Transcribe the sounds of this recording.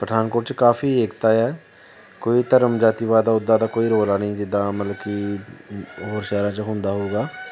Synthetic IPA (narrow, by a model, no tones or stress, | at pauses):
pɾəd̪ʱaːnkoːɾʈt͡ʃkaːfʰiːeːkt̪aːɛː | koːiːt̪əɾəmd͡ʒaːt̪iːʋaːd̪aːʊd̪ːaːd̪aːkoːiːɾoːlaːnĩːd͡ʒɪd̪aːmət̪ləbki | ɦoːɾʃaːɾãːt͡ʃəɦʊnd̪aːɦoːɡaː